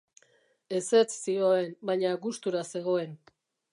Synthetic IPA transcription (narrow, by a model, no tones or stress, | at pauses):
e̞se̞t͡ssio̞e̞nbaɲaɣust̪uɾase̞ɣo̞e̞n